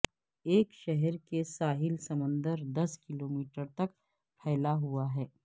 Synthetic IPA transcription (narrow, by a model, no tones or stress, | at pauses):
eːkʃɛɦɛɾkesaːɦɪlsɐmə̃nd̪əɾd̪ɐskɪloːmiːʈəɾt̪ɐk | pʰɛːlaɦuaɦɛː